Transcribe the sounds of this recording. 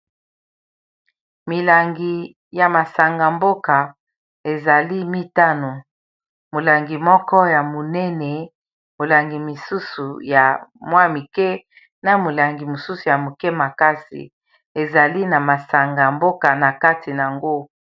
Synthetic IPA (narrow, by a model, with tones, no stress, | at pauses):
mi˨la˨ŋɡi˨ | ja˨ma˨sa˨ŋɡa˨mbo˦ka˨ | e˨za˨li˦mi˦ta˦no˨ | mo˨la˨ŋɡi˨mɔ˦kɔ˦ja˨mo˨nɛ˦nɛ˨ | mo˨la˨ŋɡi˨mi˨su˦su˨ja˨mwa˦mi˨kɛ˦ | na˨mo˨la˨ŋɡi˨mo˨su˦su˨ja˨mo˨kɛ˦ma˨ka˦sḭ˨ | e˨za˨li˦na˨ma˨sa˨ŋɡa˨mbo˦ka˨na˨ka˦ti˨n˨a˨ŋɡo˦